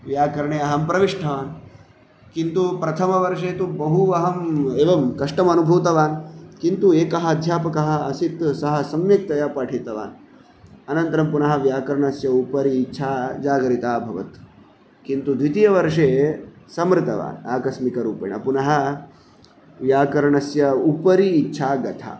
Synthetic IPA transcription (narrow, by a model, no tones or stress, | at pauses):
ʋjaːkɐɾɐɳeːɐɦɐmpɾɐʋiʂʈʰɐʋaːn | kint̪upɾɐt̪ʰɐmɐʋɐɾʂeːt̪ubɐɦuɐɦɐmeːʋɐmkɐʂʈɐmɐnubʱuːt̪ɐʋaːnkint̪ueːkɐɦɐ̆d̪ʱjaːpɐkɐɦɐ̆ːsit̪sɐɦɐ̆sɐmjɐk̚t̪ɐjɐpaːʈʰit̪ɐʋa̰ːn | ɐnɐnt̪ɐɾɐmpunɐɦɐ̆ʋjaːkɐɾɐɳɐsjɐupɐɾiːtːʃʰaːd͡ʒaːɡɐɾit̪aːbʱɐʋɐ̰t̪ | kint̪ud̪ʋit̪ijɐʋɐɾʂeː | sɐmɾɨt̪ɐʋa̰ːna̰ːkɐsmikɐɾuːpɐ̰ɳɐ̰punɐɦɐ̆ | ʋjaːkɐɾɐɳɐsjɐupɐɾiːtːʃʰaːɡɐt̪ʰa̰ː